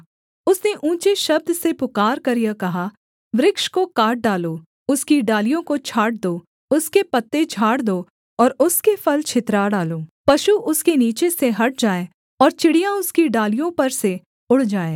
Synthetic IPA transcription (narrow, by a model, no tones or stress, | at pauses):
ʊsneʔũːt͡ʃeʃɐb̚d̪sepʊkaːɾkɐɾijakɐɦa | ʋɾɪkʃkokaːɾʈ̚ɖaːloː | ʊskiɖaːlijõkot͡ʃʰaːʈ̚d̪oː | ʊskepɐt̪ːet͡ʃʰaːɽd̪oː | ɔːɾʊskefʰɐlt͡ʃʰɪt̪ɾaɖaːloːpɐʃuʔʊskeniːt͡ʃeseɦɐʈ̚d͡ʒaːe | ɔːɾt͡ʃɪɽijãʊskiɖaːlijõpɐɾse | ʊɽ̤d͡ʒaːeː